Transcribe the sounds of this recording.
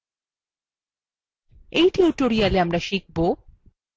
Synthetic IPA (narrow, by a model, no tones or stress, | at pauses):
ejʈiuʈoɾijaleamɾaʃik̚bo